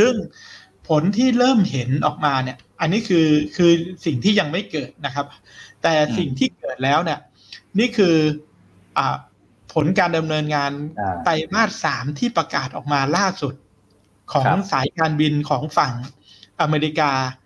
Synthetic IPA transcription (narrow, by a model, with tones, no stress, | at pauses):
sɯ˥˩ŋ | pʰo˩˦nt̪ʰiː˥˩ɾɤː˥˩mhe˩˦nʔɔː˨˩k̚maː˧ni˥˩ɐʔa˧nːi˦˥kʰɯː˧kʰɯː˧si˨˩ŋt̪ʰiː˥˩ja˧ŋma˥˩jkɤː˨˩t̪̚na˦˥kʰa˦˥p̚ | t̪ɛː˨˩si˨˩ŋt̪ʰiː˥˩kɤː˨˩t̪̚lɛː˦˥wni˥˩ɐ | niː˥˩kʰɯː˧ | ʔaː˨˩ | pʰo˩˦nkaː˧nda˧mnɤː˧nŋaː˧np̪a˧jmaː˥˩t̪̚saː˩˦mt̪ʰiː˥˩pɾa˧kaː˨˩t̪̚ʔɔː˨˩k̚maː˧laː˥˩su˨˩t̪̚ | kʰɔː˩˦ŋŋsaː˩˦jkaː˧nwi˧nkʰɔː˩˦ŋfa˨˩ŋ | ʔa˧meː˧ɾi˧kaː˧